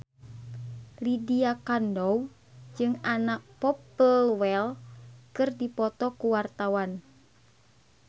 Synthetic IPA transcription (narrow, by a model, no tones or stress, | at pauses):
lidiakandɔu | d͡ʒɨŋanak̚pɔpəlwɛlkɨrdipɔt̪ɔkuwart̪awan